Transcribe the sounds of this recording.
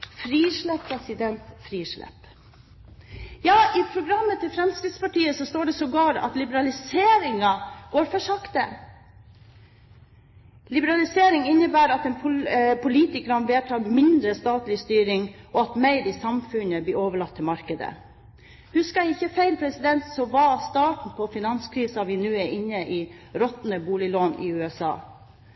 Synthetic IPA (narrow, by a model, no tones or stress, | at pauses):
fɾiːʂɭɛpʰːɾɛsɪd̪ɛnt̪fɾiːʂɭɛ̰p | jɑːʔɪpʰɾʊɡɾɑmːət̪ʰɪlfɾɛmskɾɪd̪spɑʈiːəsɔst̪oːɖɛsɔɡɑːɾɑ̰t̪lɪbəɾɑlɪseːɾɪŋɑɡ̥oːɾfɔʂɑkt̪ə | lɪbəɾɑlɪseːɾɪŋɪnːəbæːɾɑt̪ɛnpʰʊpʰʊliːt̪ɪkɾɑnʋeːʈʰɑːɾmɪnd̪ɾəst̪ɑːt̪lɪst̪yːɾɪŋʔɔɑt̪mæɪɾɪsɑmfʉnəblɪʔoːʋəɭɑt̪ʰːɪlmɑɾkəd̪ə̰ | hʉskɑɛɪçːəfæɪlpʰɾɛsɪd̪ɛnt̪sɔʋɑst̪ɑːʈn̩pʰɔfɪnɑnskʰɾiːsɑʋɪnʉːɛɾʔɪnːəʔɪɾɔt̪nəbuːlɪloːnɪ̰ʉːɛsɑ̰ː